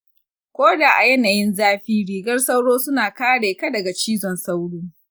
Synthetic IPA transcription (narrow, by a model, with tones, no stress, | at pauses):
kʷoː˦daː˨ʔa˨jɛ˦na˨jɪ˦nzaː˦ɸiː˦ɽiː˦ɡɐ˦rsɐa˦wɽoː˦sʊ˦naː˨kaː˦ɽeː˨ka˦dɐ˨ɡa˨t͡ʃiː˦zɔ˨nsa˦wɽuː˦